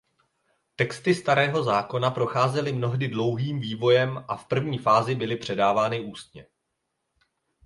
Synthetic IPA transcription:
t̪ɛkst̪ɪst̪aɾɛːɦo̞zaːko̞napɾo̞xaːzɛlɪmno̞ɦdɪdlo̞wɦiːmviːvo̞jɛmʔafpr̩vɲiːfaːzɪbɪlɪpr̝̥ɛdaːvaːnɪʔuːst̪̚ɲɛ

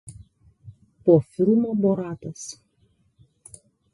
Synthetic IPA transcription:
poːfʲɪlˠmoːboɾɑːt̪ɐs

